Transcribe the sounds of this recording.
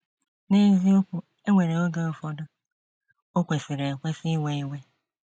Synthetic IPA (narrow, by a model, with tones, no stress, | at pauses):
ne˦zi˦o˦kʷu˦ | e˦ŋʷe˨ɾe˨o˦ɡa˦˨fɔ˦dʊ˦ | o˦kʷe˨fi˨ɾe˨kʷe˦fi˦we˦e˦we˦